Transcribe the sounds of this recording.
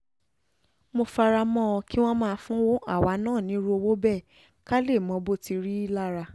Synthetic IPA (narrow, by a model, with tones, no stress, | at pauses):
mo˧fa˧ɾa˧mɔ̃˦˧ki˦w̃ɔ̃˦mãː˦˧fũ˦wo˦a̰˦˨wa˨˦nãː˦˨nĩ˨˦ɾo˦o˧wo˦bɛ˦˨ | ka˦le˦˨mɔ̃˧˦bo˦˨ti˧ɾi˦i˦la˦ɾa˧